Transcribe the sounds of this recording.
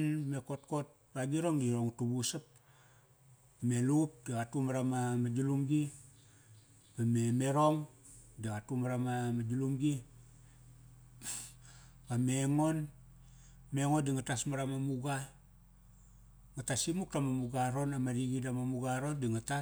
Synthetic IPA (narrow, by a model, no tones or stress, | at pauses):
nmeko̞t̚ko̞t̚ | baɡiɾo̞ŋdiɾo̞ŋutubusap̚ | me̞lup̚diwatumaɾamamad͡ʒulumɡi | mameme̞ɾoŋ | diwatumaɾamamad͡ʒulumɡi | mameŋo̞n | me̞ŋodiŋatasmaɾamamuɡa | ŋatasimuk̚tamamuɡaɾo̞namaɾiɡidamamuɡaɾondiŋata